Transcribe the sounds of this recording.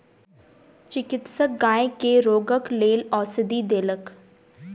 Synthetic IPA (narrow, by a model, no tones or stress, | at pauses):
t͡ʃɪkɪt̪səɡãːẽkeɾoːɡəkleːlɔːsɪd̪id̪eːlək